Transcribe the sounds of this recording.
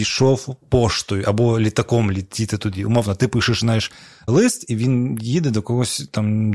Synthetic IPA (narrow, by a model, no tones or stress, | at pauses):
iʂɔfpɔʂt̪ʊjʊʔɐbɔlʲɪt̪ɐkɔmlʲɪt̪ʲːit̪ɨt̪ʊd̪ʲiʊ̰mɔwnɐt̪ɨpɨʂɨʂnajɪʂ | lˠɨst̪iʋʲinjid̪ɨd̪ɐkɐɣɔsʲt̪am